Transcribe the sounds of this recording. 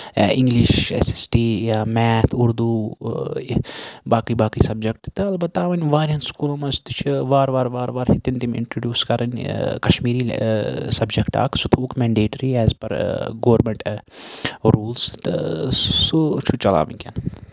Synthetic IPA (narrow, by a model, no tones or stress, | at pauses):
iŋɡliʃḛsisʈijamɛːt̪ʰuɾd̪uː | baːkibaːkiːsɐb̚d͡ʒɐk̚ʈt̪ɨɐlbɐt̪ːaːʋɐnʲʋaːɾɐnskuːlɐmɐst̪it͡ʃʰʋaːɾʋaːɾʋaːɾʋaːɾhit̪int̪imḭɳʈɾoɖjuːskɐɾɐnʲkɐʃmiːɾiːsɐbd͡ʒɐkʈa̰ːksut̪ʰukmɛɳɖeːʈɐɾiɛːzpɐɾɡoːɾmeɳʈ | ɾuːlst̪ɨ̰sut͡ʃʰut͡ʃɐla̰ːʋɐ̰nʲkʲɐ̰n